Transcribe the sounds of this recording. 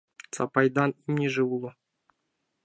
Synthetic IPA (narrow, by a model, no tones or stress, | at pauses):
t͡sɑpɑjd̪ɑnimnʲiʐɨulˠo